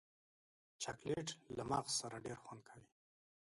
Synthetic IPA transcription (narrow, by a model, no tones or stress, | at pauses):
t͡ʃakleʈlamaɣsaɾaɖeɾxwand̪̚kʰawi